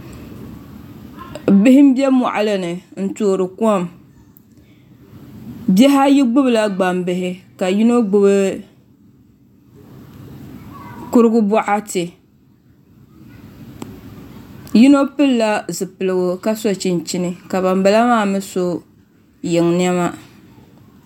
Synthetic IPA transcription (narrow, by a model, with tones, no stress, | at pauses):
bɪ˦hɪ˦m̩˦bɛ˦mɔ̰˨ʔa˨lɨ˦nɨ˨n̩˦toː˨ɾɨ˨kɔ˦m | bɛ˦ɦa˦ji˦ɡ͡bʊ˦bɨ˨la˦ɡ͡ba˨mbɨ˨ɦɪ˦ka˨ji˦no˦ɡ͡bʊ˦bɨ˦ | kʊ˦ɾɨ˦ɡʊ˦bɔ˦ʔa˦tɨ˨ | ji˦no˦pɨ˦lla˦zɨ˨pɨ˨lɨ˨ɡʊ˨ka˦so˨t͡ʃi˨nt͡ʃi˦nɨ˨ka˨ba˨mba˨la˦maː˦˨mɨ˦so˦ | jɛ˨ŋni˦ɛ˦ma˦